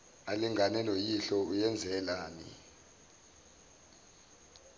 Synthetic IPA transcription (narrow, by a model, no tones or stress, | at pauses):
aliŋʱanɛlojiɬɔujɛnd͡zʱɛlaːnḭ